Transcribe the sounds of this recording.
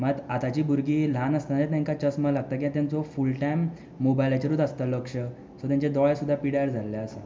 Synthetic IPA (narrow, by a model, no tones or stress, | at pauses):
mat̪at̪at͡ɕiːbuɾɡiːlanəst̪anat͡ɕet̪ãŋkat͡ɕəsməɡlaɡ̚t̪ak̬iɦat̪jãnt͡sofulʈajmː | obajlat͡ɕeɾut̪əst̪aləkʂə | sot̪jãɲt͡ɕed̪ɔɭjsud̪ʱːapiɽaəɾd͡zʱalːaəsə